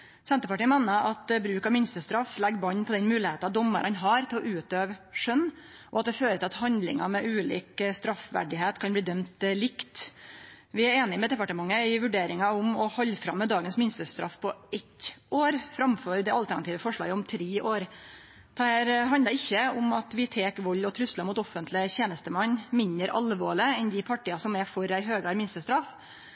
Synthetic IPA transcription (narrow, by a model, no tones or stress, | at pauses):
sɛnt̪əpɑʈiːəmeːnəʔɑt̪bɾʉːkɑʋmɪnst̪əst̪ɾɑfːlɛɡːbɑɲːpʰɔd̪ɛnmʉːlɪheːt̪ɑd̪ɔmːə̰ɾɑnɦɑɾt̪ʰɪlɔʔʉːt̪øːʋʂœnː | ʔɔɑt̪̚d̪ɛføːɾət̪ɪlɑt̪hɑnd̪lɪ̰ŋɑmɛʔʉːlḭːkst̪ɾɑfʋæ̰ɖɪɦeːt̪kʰɑnbliːd̪œmt̪lɪkt̪ | ʋɪæɾeːnɪmɛd̪ɛpɑʈəmɑŋːəɪʋʉɖeːɾɪŋɑʊmɔhɔlːfɾɑ̰mːəd̪ɑːɡənsmɪnst̪əst̪ɾɑ̰fpʰɔɛt̪ʔoːɾfɾɑmføɾd̪ɛɑlt̪æɳɑt̪ʰiːʋəfɔʂɭɑ̰ːɡəɔmt̪ʰɾeːʔoːɾ | d̪̥ɛhæːɾɦɑnd̪əɾɪçːəʊmɑt̪ʋɪt̪ʰeːkʋɔlːɔt̪ʰɾʉst̪ləɾmuːt̪ɔfːənt̪ʰlɪəçeːnəst̪əmɑnːmɪnd̪əɾʔɑ̰lʋoːɭɪəɛnd̪ɪpʰɑʈɪɑsɔmɛfɔɾæɪɦøːɡəæɾmɪnst̪əst̪ɾɑf